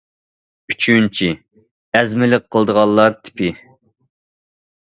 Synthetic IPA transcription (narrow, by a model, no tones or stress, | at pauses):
yt͡ʃʰynt͡ʃʰi | ɛzmɪlɪq̚qʰːəlˠd̪əʁɑlˠːɑɾt̪ʰɪ̥pʰɪ